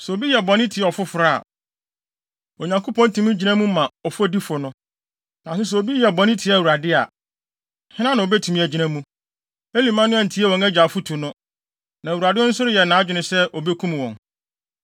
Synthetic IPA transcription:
sɛ˨o˨bi˦jɛ˨bɔ̃˨nɪ̃˦tʰɪ˨ɛ˦˨ɔ˨fʊ˦fʊ˨ɾa̰˦˨ | o˨ɲã˨ŋkʰo˦pʰɔ̃˦n˦tʰũ˨mĩ˦d͡ʑi˨nã˦mũ˦mã˨ɔ˨fʊ˦æ˦di˦fʊ˨nʊ̃˦ | nã˨sɪ˦s̬ɛ˨o˨bi˦jɛ˨bɔ̃˨nɪ̃˦tʰɪ˨˦˨wu˨ɾa˨dɪ˦a˨ | hɪ̃˦nã˦nã˨o˨bɛ˦tʰu˨mĩ˦˨æ˨d͡ʑi˨nã˦mũ˦ | e˦li˨mã˦nʊ̃˦ɛ˨n̩˨tʰi˦ɛ˦wɔ̃˨ŋæ˦d͡ʑa˨fʊ˦tʰu˨nʊ̃˦ | nã˨wu˨ɾa˨dɪ˦n̩ʊ̃˦sʊ˦ɾɪ˦jɛ˨nãː˨˦d͡ʑᶣɪ˨nɪ̃˨sɛ˦ʔo˨be˦kʰũ˦m˨wɔ̃˨n

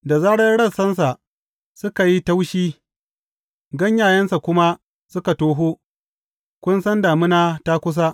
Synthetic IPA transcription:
da˨zaː˦ɽɐ˦rɽɐ˦˨sɐ˦ns̬a˨ʔ | sʊ˦ka˨ji˦ta˦wʃiː˦ | ɡɐ˦ɲjaː˨jɐ˦nsa˨kʷʊ˦ma˦ | sʊ˦ka˨toː˦ɦoː˦ | kʷʊ˦nsɐ˦ndaː˨mɪ˦naː˦ta˦kʷʊ˦s̬a˦ʔ

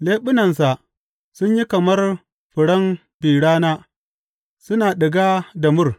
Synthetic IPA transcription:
leː˦ɓʊ˦nɐ˨ns̬a˨ʔ | sʊ˦ɲji˦kɐ˨mɐ˦r | ɸʊ˨ɽɐ˦m | biː˨ɽaː˦naː˦ | sʊ˦naː˨ɗɪ˨ɡaː˦dɐ˨mʊ˦r

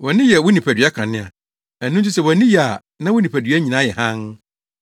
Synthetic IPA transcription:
wɔ˨nɪ̃˦jɛ˨wʊ˦nĩ˨pʰæ˨dɥa˦kʰã˨nɪ̃˦a˨ | æ˨nː˦ũ˦n˦t͡ɕʰi˦sɛ˨wɔ˨nɪ̃˦jɛ˨a˨ | nã˦wʊ˦nĩ˨pʰæ˨dɥɛ˦ɲĩ˨nã˨˦jɛ˨hã˦n

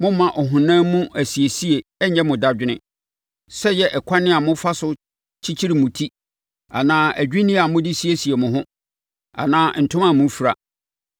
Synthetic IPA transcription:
mʊ̃˦mã˨ʔɔ˨ɦʊ̃˨nãː˦mũ˦ʔæ˨si˨e˨si˦e˨ɛ˦ɲɛ̃˦mʊ̃˨da˦d͡ʑᶣɪ˦nɪ̰̃˦ | sɛ˦jɛ˦ʔɛ˨kʷʰa˦nɪ̃˦a˨mʊ̃˦fa˦sʊ˦ | t͡ɕʰi˦t͡ɕʰi˦ɾi˨mũ˨tʰi˦ | a˨nãː˦æ˨d͡ʑᶣi˦nĩ˦a˨mʊ̃˦dɪ˦si˦e˦si˨e˨mʊ̃˨ɦʊ̃˦ | a̰˨nãː˦n̩˨tʰʊ̃˦mã˨mũ˦fi˨ɾa̰˨

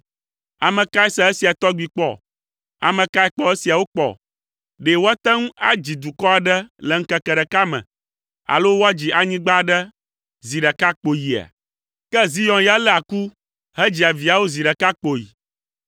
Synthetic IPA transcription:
a˨mə̃˨ka˦ɛ˦sɛ˦ɛ˦si˨a˨t̪ɔ˦ɡ͡bi˨k͡pɔ̰˦ | a̰˨mə̃˨ka˦ɛ˦k͡pɔ˦e˦si˨a˨wo˦k͡pɔ̰˨ | ɖe˨wo˦a˦t̪ɛ˦ŋũ˦a˦d͡ʑi˨d̪u˨kɔ˦a˨ɖɛ˦lɛ˨ŋ̩˦kɛ˦kɛ˨ɖɛ˨ka˦mɛ̰̃˨ | a̰˨lo˦wo˦a˦d͡ʑi˨ʔa˨ɲĩ˦ɡ͡ba˦ɖɛ˦ | zi˨ɖɛ˨ka˦k͡po˨ji˨a̰˨ | kɛ˦zi˦jɔ̃˨nja˦lɛ˦a˨ku˦ | ɦɛ˦d͡ʑi˨a˨vi˨a˨wo˦zi˨ɖɛ˨ka˦k͡po˨jḭ˨

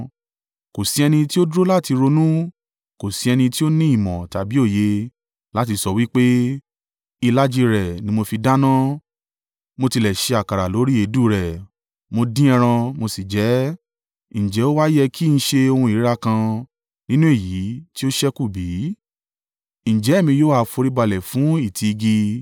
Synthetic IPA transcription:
ko˨si˨˦ɛ˧nĩ˧ti˦o˦du˦ɾo˦la˦˨ti˧ɾo˧nũ˦ | ko˨si˨˦ɛ˧nĩ˧ti˦o˦nĩ˦i˦˨mɔ̃˨ta˨bi˨˦o˦˨je˧ | la˦ti˧sɔ˧wi˦k͡pe˦ | i˧la˦d͡ʒi˧ɾɛ˨nĩ˨˦mo˧fi˧da˦nã˦ | mo˧ti˧lɛ˨ʃe˧a˨ka˨ɾa˨lo˨˦ɾi˦e˨˦du˦˨ɾɛ˨ | mo˧dĩ˦ɛ˧ɾ̃ã˧mo˧si˨d͡ʒɛ˨˦ | ñ̩˨d͡ʒɛ˨˦o˦wa˦jɛ˧kʰi˦ñ̩˦ʃe˧o˧hũ˧i˨˦ɾa˦kã˧ | nĩ˦nũ˦e˦˨ji˨˦ti˦o˦ʃɛ˦ku˦˨biː˨˦ | ñ̩˨d͡ʒɛ˨˦˨mĩ˧joː˦a˧fo˧ɾi˦ba˧lɛ˨fũ˨˦i˦˨tʰi˧i˧ɡi˧

